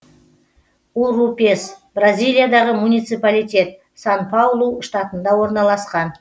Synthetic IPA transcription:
uɾupe̞sbrazʲijlʲˠijad̪ɑʁəmunijt̪sɨpalijt̪ʲe̞t̪̚ | sanpʰawlˠuʃt̪ɑt̪ənd̪ɑwo̞ɾnɑlˠɑsqɑn

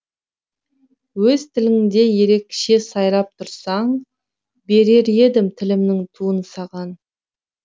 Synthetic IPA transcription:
wɵzt̪ʰɪlɪŋd̪e̞je̞ɾe̞kʲʃe̞sɑjɾɑp̚t̪ʰʊɾsɑɴ | be̞ɾe̞ɾe̞d̪ɪmt̪ʰɪlɪmnɪŋt̪ʰuənsɑʁɑn

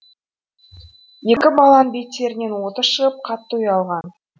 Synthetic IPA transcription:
je̞kʲɪbɑlˠɑnbejt̪ːe̞ɾɪne̞nwo̞t̪əʃəʁəp̚qʰɑt̪ːujɑlˠʁɑn

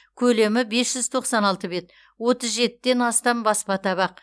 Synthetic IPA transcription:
kʲʰɵle̞mɪbe̞sʒ̥ʏzt̪ʰo̞qsɑnɑlˠt̪əbe̞t̪ | wo̞t̪əzʒe̞t̪ːɪd̪e̞nɑst̪ɑmbɑspɑt̪ɑβɑq̚

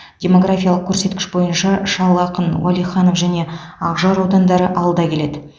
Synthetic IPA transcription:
d̥ʲe̞mo̞ɡrafʲijɑlˠəq̚kʲʰɵɾse̞t̪̚kʲɪ̥ʃbo̞jənʃɑʃɑlˠɑqənwʔa̰lˠijχɑnofʒæne̞ɑʁʒɑɾod̪ɑnd̪ɑɾəʔɑwəlˠd̪ɑkʲʰe̞le̞d̪ɪ

